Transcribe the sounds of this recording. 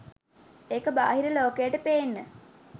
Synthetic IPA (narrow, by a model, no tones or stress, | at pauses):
eːkəbaːɦiɾeloːkejəʈəpeːnːə